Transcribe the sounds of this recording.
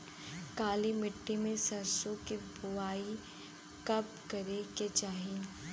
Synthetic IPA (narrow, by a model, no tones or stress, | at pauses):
kaːlimɪʈːimẽsɐɾsõkibʊaːi | kɐp̚kɐɾeket͡ʃaːɦi